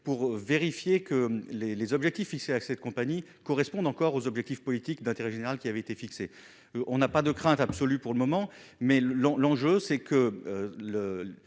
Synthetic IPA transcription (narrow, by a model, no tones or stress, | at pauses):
puʁveʁifjekəlelezɔbʒɛk̚t̪ifːikseasɛt̪̚kɔ̃paɲikɔʁɛspɔ̃d̪ɑ̃kɔʁozɔbʒɛk̚t̪ifpɔlit̪ikd̪ɛ̃t̪eʁɛʒeneʁalkʲiavɛet̪efikse | ʔɔ̃napad̪əkχɛ̃t̪absɔlypuʁləmɔmɑ̃ | mɛlɑ̃lɑ̃ʒøsɛkʰəølə